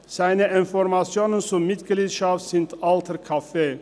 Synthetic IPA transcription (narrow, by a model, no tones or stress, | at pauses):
sæɪnəɪnfɔɾmɑsjuːnənsʊmːɪt̪ɡliːd̪ʃɑːfsɪnt̪ʰɑlt̪ʰəɾkʰɑfeː